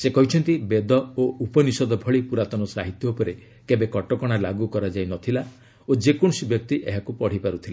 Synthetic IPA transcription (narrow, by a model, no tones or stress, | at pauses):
sekɔɦit͡ʃʰɔnt̪ibed̪ɔoupɔnisɔd̪ɔbʱɔɭipuɾat̪ɔnɔsaɦit̪jɔupɔɾe | kebekɔʈɔkɔɽ̃alaɡukɔɾad͡ʒajnɔt̪ʰila | od͡ʒekõɔsibjɔk̚t̪iʔḛɦakupɔɽ̤ipaɾut̪ʰila